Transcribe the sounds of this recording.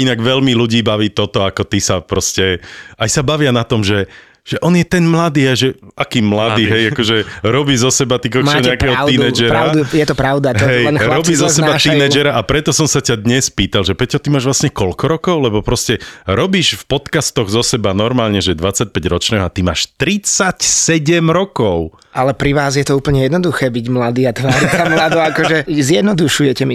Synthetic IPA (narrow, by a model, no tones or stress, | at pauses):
inaɡʋɛlmiluɟiːbaʋiːt̪ɔt̪ɔakɔt̪isapɾɔscɛajsabaʋɪanat̪ɔmʒɛ | ʒ̥ɛʔɔnjɛt̪ɛnmlad̪iːajʒɛʔakiːmlad̪iːɦɛjakɔʒɛɾɔbiːzɔsɛbat̪ikɔt͡ʃɔɲɛakɛːɦɔiɛd͡ʒɛɾaʊujɛt̪ɔpɾaʊd̪uaɦɛjɾɔbizɔsɛbat̪inɛːd͡ʒɛɾaʔapɾɛt̪ɔsɔmsacad̪ɲɛspiːt̪alʒɛpɾɛcɔt̪imaːʒʋlasɲɛkɔlkɔɾɔkɔʊlɛbɔpɾɔscɛɾɔbiːʃfpɔt̪kast̪ɔɣzɔsɛbanɔɾmaːlɲɛʒɛd̪ʋat͡sːac̚pɛɟɾɔt͡ʃnɛːɦɔat̪ima̰ːʃt̪ɾit͡sacsɛɟɛmɾɔkɔʊ | ʔalɛpɾiʋaːzjɛt̪ɔuːpl̩ɲɛjɛd̪nɔd̪uxɛːbiɟmlad̪iːat̪ʋaːɾisamlad̪ɔakɔʒɛzɪjɛd̪nɔd̪uʃujɛcɛmi